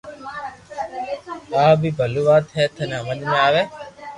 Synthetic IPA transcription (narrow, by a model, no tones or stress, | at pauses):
aːbibɐluʋaːt̪ʰɛːt̪ʰɐnɐmɐnimeaːʋe